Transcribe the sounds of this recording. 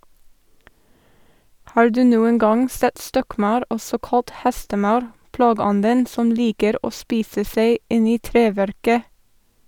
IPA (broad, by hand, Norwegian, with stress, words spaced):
ˈhɑːɹ ˈdʉː ˈnuːəŋ ˈɡɑŋ ˈsɛt ˈstɔkˌmɑʉɾ ˈɔsɔ ˈkɑlt ˈhɛstəˌmɑʉɾ ˈplɑːɡəˌɔndən ˈsɔm ˈliːkəɾ ˈoː ˈspiːsə ˈseɪ ˈɪn ˈiː ˈtɾeːˌʋæɾkə